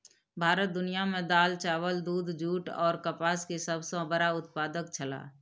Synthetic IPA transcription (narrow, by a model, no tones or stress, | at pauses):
bʱaːɾət̪̚d̪ʊnijamẽd̪aːlt͡ʃaːwəld̪uːd̪d͡ʒuːʈɔːɾkəpaːskesəbsõbəɾaʊt̪̚paːd̪ək̚t͡ʃʰəla̰ː